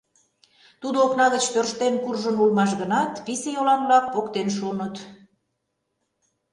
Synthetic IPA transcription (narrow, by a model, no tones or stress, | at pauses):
t̪ud̪ooknɑɣət͡ɕt̪ørʃt̪enkurʒənulmɑʃ̬ɣənɑt̪pisejolɑnblɑk̚pokt̪enʃ̬onət̪